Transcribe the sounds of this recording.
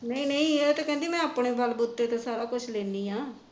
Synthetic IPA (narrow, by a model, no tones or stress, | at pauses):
nəĩːnəĩːet̪ãkɛ̃nd̪iːmɛ̃ːapɳeːbalbʊt̪ːeːt̪ẽːsaːɾaːkʊt͡ʃʰlɛːnd̪iːɦãː